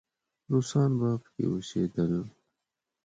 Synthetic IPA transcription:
ɾusɑːnbaːbkḛusḛːd̪əl

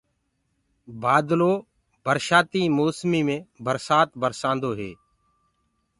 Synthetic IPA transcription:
baːd̪loː | bəɾʃaːt̪iːmoːsmiːmẽːbəɾsaːt̪bəɾsãːnd̪oːɦeː

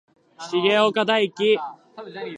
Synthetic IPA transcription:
ɕiɡeokad̪aikʲi

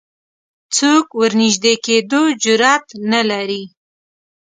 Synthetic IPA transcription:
t͡sokwəɾnɪʒd̪eked̪od͡ʒʊɾɑt̪nalaɾi

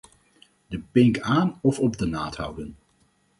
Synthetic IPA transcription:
dəpɪŋkaːnɔfɔb̚dənaːthʌ̰wdən

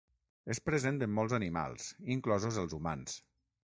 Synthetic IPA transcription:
espɾəzent̪əmːɔlˠzənima̰lˠziŋklɔzozəlˠzuma̰ns

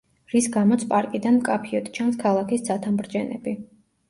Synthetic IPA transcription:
ɾisɡamɔt̪sʰpʼaɾkʼid̪anmkʼapʰiɔt̪ʼt͡ʃʰanskʰalˠakʰisd̪at̪ʰambɾd͡ʒɛnɛ̰bi

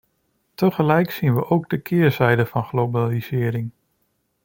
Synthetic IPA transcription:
təχəlɛjksinʋəʔowɡ̚dəkʰɪːɹzɛjdəfɑnχlowbaliz̥ɪːɾɪŋ

